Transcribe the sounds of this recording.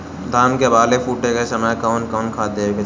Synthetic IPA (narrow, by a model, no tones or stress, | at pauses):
d̪ʱaːnkebaːlepʰuːʈekesɐməjkaʊnkaːnkʰaːd̪eːke